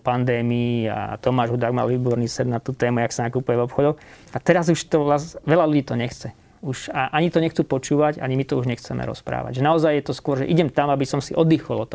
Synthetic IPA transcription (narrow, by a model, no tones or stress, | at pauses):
pand̪ɛːmiia̰t̪ɔmaːʒɦud̪aɡma̰ːlʋiːbɔɾniːsɛd̪nat̪uːt̪ɛːmujaksanakupujɛvɔpxɔd̪ɔxat̪ɛɾazuʃt̪ɔlasʋɛʎaluɟiːt̪ɔɲɛxt͡sɛ | uʃaʔaɲit̪ɔɲɛxt͡suːpɔt͡ʃuːʋaɟa̰ɲimit̪ɔuʒɲɛxt͡sɛmɛ̰ɾɔ̰spɾa̰ːʋa̰ɟʒɛnaɔzajjɛt̪ɔskʊɔɾʒɛ̰ʔiɟɛmt̪amabisɔmsiʔɔd̪iːxɔlɔt̪ɔ